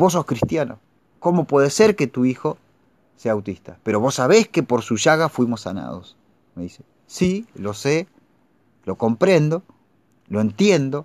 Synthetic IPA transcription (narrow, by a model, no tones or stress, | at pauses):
bo̞s̬o̞skɾist̪jano̰ | ko̞mo̞pwe̞ðeseɾke̞t̪uixo̞ | seawt̪ist̪ape̞ɾo̞βo̞sːaβ̞e̞ske̞po̞ɾsuʒaɣafwimo̞sːa̰na̰ð̞os | meðise | silo̞se̞ | lo̞ko̞mpɾe̞nd̪o̞ | loe̞nt̪je̞nd̪o̞